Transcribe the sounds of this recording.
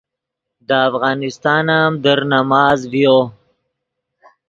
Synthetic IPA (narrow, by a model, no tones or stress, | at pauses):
d̪əafɣɑːnɪst̪ɑːnamd̪əɾnamɑːzvjo